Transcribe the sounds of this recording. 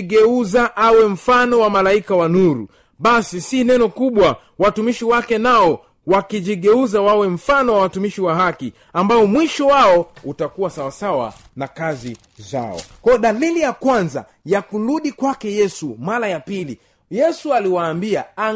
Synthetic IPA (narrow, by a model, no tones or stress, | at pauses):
ɡɛuzaʔawɛm̩fanɔwamalaikawanuɾṵ | ɓasisinɛnɔkuɓwa | watumiʃiwakɛnaɔ | wakiʄiɠɛuzawawɛm̩fanɔwawatumiʃiwaɦaki | ambaɔmwiʃɔwaɔutakuwasawasawa̰ | nakazi | za̰ɔ̰kwajɔɗalilijakwanza̰ | jakuɾuɗikwakɛjɛsumaɾajapili | jɛsualiwaːmbiaa